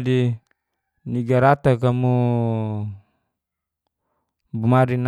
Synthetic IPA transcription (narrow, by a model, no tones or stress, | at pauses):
di | niɡaɾat̪akamu | bumaɾin